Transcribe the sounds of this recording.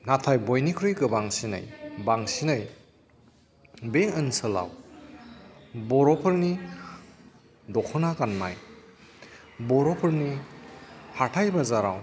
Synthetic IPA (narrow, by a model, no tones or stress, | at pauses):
natʰajbɔjnikʰɾɯjkɯbaŋsinɯ̰jbaŋsinɯj | beɯnsɯla̰w | bɔɾɔpʰɯɾni | dɔkʰɯnakanma̰j | bɔɾɔpʰɯɾni | hatʰajbazaɾa̰w